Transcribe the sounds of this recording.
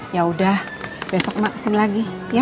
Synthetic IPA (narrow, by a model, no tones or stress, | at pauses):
jaudah | besɔk̚maʔsɪŋlaɡi | ja